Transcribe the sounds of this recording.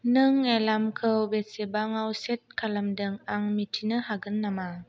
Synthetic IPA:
nɯŋːelamkʰɯwbesebaŋawset̚kʰalamdɯŋaŋmitʰinɯhaɡɯnːama

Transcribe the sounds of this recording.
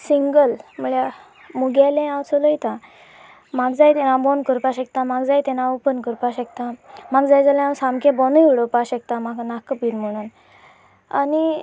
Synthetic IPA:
siŋɡəlm̤əɭja | muɡalẽãwt͡sələjt̪a | maɡd͡zajt̪ɛnãbɔnkəɾpaɕək̚t̪amaɡd͡zajt̪ɛnãəpənkəɾpaɕəkt̪amaɡd͡zajd͡zalẽãwsãmkẽbɔnəjuɽəpaɕək̚t̪ãmaknakəpinm̤əɽ̃uːn | a̰ni

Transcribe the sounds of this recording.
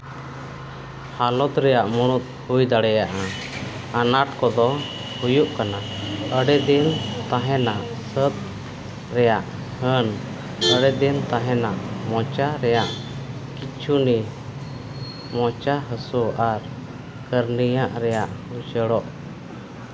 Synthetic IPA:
halɔt̪ɾɛjaʔmuɽ̃ut̪̚hujd̪aɽɛjaʔa | anaʈkɔd̪ɔhujuʔkanaəɽɛd̪ɛnt̪ãɦɛnaʔ | sət̪̚ | ɾɛjaʔ | hən | əɽɛd̪ɛnt̪aɦɛnaʔmɔt͡ʃaɾɛjaʔkit͡ʃʰuni | mɔt͡ʃaɦəsuaɾ | kəɾnijaʔɾɛjaʔhujt͡ʃəɽɔʔ

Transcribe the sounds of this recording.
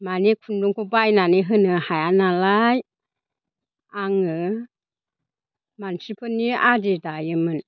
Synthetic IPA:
manikʰunduŋkʰubajnaniɦɯnɯhajanalaj | aŋɯ | mansipʰɯnːiadidajɯmɯn

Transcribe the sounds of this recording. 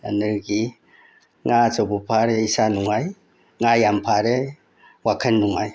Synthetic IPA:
anɯɾɡi | ŋazawbupʰaɾeisanuŋaj | ŋajampʰaɾe | wakʰənːuŋaj

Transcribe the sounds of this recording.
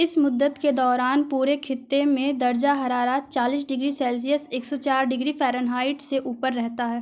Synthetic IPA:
ɪsmʊd̪ːət̪ked̪ɔːɾaːnpuːɾekʰɪt̪ːemẽd̪ɐɾd͡ʒaɦɐɾaːɾat͡ʃaːliːs̬ɖɪɡɾisɛːls̬ijəseːksɔt͡ʃaːɾɖɪɡɾifɛːɾənɦaːɪʈseʔuːpəɾːɛɦt̪aɦɛː

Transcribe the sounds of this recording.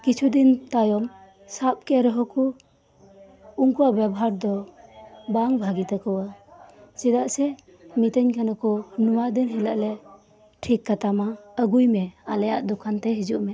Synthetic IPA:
kit͡ʃʰud̪intajɔm | sap̚keɾɔɦɔkʰu | uŋkuwabɛbɔɦaɾd̪ɔ | baŋbʱaɡit̪akʰɔwa | sid̪aʔse | mitəɲkʰanakʰɔnumad̪inɦilaʔle | ʈʰikːat̪amaəɡujmealajaʔd̪ɔkʰanteɦizuʔme

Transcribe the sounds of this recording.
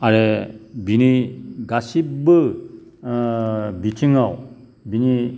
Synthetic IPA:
aɾebiniɡasibɯ | bit͡ʃʰiŋaw | bini

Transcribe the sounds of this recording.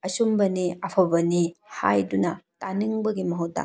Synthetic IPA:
ɐsumbɐniɐpʰɐbɐnihajdunɐtaniŋbɐɡimɐɦut̚da̰

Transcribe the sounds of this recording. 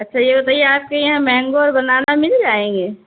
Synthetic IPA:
ɐtːʃʰajebɐt̪aːijeaːp̚kejɐɦãmɛ̃ːŋɡoɾbɐnaːnamɪld͡ʒaːẽːɡeː

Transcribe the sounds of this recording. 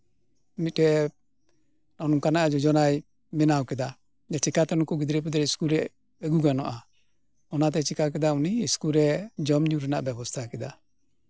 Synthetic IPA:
mit̪̚ɛ | nɔnuŋkanaʔad͡ʒɔd͡ʒɔnaj | mɛnawkɛd̪a | d͡ʒɛt͡ʃikat̪ɛnukuɡid̪ɾɛpud̪ɾɛiskulɾɛ | ɛɡuɡanɔʔa | ɔnat̪ɛt͡ʃikakɛd̪auniːskuɾɛd͡ʒɔmɲuɾɛnaʔbɛbɔst̪ʰakɛd̪a

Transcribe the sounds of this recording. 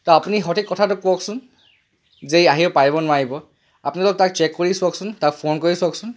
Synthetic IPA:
tɔapuniɦɔtʰikːɔtʰatʊkuɔksʊn | zejaɦiʊpaɹibɔnʊwaɹibɔ | apnilɔk̚tak̚t͡ʃɛkːoɹisʊɔksʊntakpʰonkoɹisɔksʊn

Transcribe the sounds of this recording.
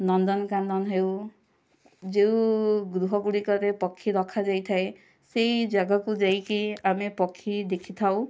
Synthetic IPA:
nɔnd̪ɔnkand̪ɔnɦew | d͡ʒewɡɾuɦɔɡuɽikɔɾepɔkʰːiɾɔkʰad͡ʒajt̪ʰae | sejd͡ʒaɡakud͡ʒajkiamepɔkʰːid̪ekʰit̪ʰaw

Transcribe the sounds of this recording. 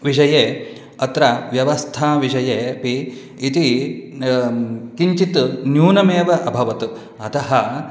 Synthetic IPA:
ʋiʃɐjeː | ɐt̪ɾɐʋjɐʋɐst̪ʰaːʋiʃɐjeːpiː | t̪i | kiɲt͡ʃit̪njuːnɐmeːʋɐʔɐbʱɐʋɐt̪u | ɐt̪ɐɦɐ

